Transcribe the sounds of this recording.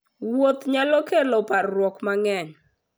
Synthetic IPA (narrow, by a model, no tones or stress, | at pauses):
wot̪ɲalɔkelɔparwɔkmaŋɛɲ